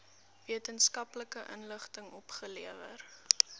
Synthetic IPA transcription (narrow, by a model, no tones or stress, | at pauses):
viətənskɐpləkəʔənləχtəŋɔpχəliəvə̰r